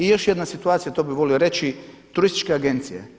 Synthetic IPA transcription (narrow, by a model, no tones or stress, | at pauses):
ijo̞ʃjed̪nasit̪uaːt̪sijat̪obiʋo̞lioɾet͡ʃi | t̪uɾist̪i̥t͡ʃkeaɡent̪sijḛ